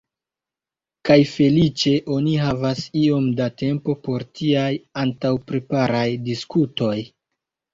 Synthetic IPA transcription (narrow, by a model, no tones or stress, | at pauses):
kajfe̞lit͡ʃe̞ʔo̞niɦavasio̞mdate̞mpo̞po̞ɾtʰiajantawpɾe̞paɾajdiskuto̞j